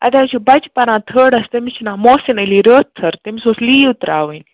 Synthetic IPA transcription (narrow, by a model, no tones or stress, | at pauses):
ɐ̰d̪aːt͡ʃʰibɐt͡ʃpɐɾãːt̪ʰəɽɐst̪ɐmit͡ʃʰinãːmoːsinɐliɾəːt̪ʰːɐɾt̪emisoːsliːut̪ɾaːʋənʲ